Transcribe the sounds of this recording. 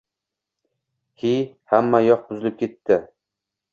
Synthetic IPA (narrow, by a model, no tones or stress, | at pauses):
hi | hamːajɒq̚bʊzɪlɪp̚kʲʰet̪ːɪ